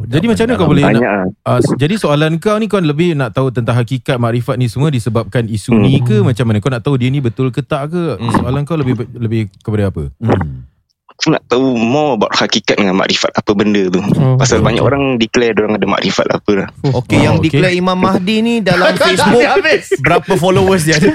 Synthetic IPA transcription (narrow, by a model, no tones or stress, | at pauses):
d͡ʒadimat͡ʃamanakawbolɛnaɲaʔad͡ʒadisoalankawnĩk̬anləbɪhnaʔt̪aut̪ənt̪aŋɦakikat̪̚maʔɾifat̪̚nĩsəmuadisəbap̚kanisunĩkəmat͡ʃamːanakawnaʔt̪audiənibət̪ʊlkət̪aʔkəsoalankawləbɪləbɪhkəpadaapə | kana̰ʔt̪aumɔbaʔ̚hakikat̪̚dəŋanma̰ʔɾifa̰t̪apəbəndət̪upasalbaɲa̰ko̰ɾaŋdiklɛdoɾaŋadəma̰ʔɾifa̰t̪a̰pəlahokejaŋdiklɛimãmːahdinidalamkessbʊabɪsbəɾapəfolowəs̬ɲdə